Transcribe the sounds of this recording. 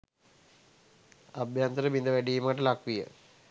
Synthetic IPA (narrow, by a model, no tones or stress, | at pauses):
abjant̪əɾəbind̪əʋæɖiːmaʈəlakʋijə̰